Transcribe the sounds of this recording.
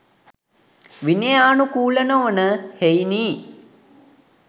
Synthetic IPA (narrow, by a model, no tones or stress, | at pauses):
ʋinejaːnukuːlənoənəhejniː